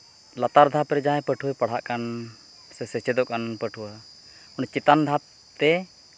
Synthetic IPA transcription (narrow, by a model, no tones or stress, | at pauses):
lat̪aɾd̪ʱapɾɛd͡ʒaɦɛ̃pəʈʰujpəɽ̤aʔkan | sɛsɛt͡ʃɛd̪ɔʔkanpəʈʰuwa | ɔnt͡ʃit̪and̪ʱap̚ | t̪ɛ